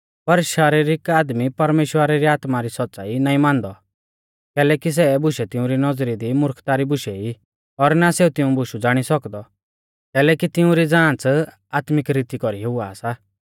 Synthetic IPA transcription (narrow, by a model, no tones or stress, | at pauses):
pɐɾʃaːɾiɾɪkaːd̪mipɐɾmeːʃwəɾaɾiaːt̪maɾisɔt̪ːt͡sa̰ːinaːĩmãːnd̪ɔ | kɛːlɛːkis̬ɛbʊʃɛt̪ɪũɾinɔd͡zɾid̪imʊɾkʰt̪aɾibʊʃɛi | ɔɾnaseːut̪ɪũbʊʃud͡zaːɽ̃isɔkd̪ɔ | kɛːlɛːkit̪ɪũɾid͡zãːt͡s | aːt̪mɪkɾiːt̪ikɔɾiɦʊaːsa